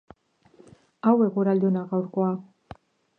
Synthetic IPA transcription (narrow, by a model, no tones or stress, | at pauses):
awe̞ɣuɾald̪eonaɣawɾkoa